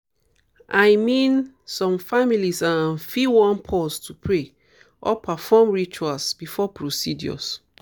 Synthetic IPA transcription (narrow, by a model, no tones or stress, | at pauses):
ʔajmĩn | sɔ̃mfamilisãnfiwɔ̃npʰɔstʰupʰɹe | ʔɔpʰafɔmɹit͡ʃualsb̥ifɔpʰɹosidjɔ̰s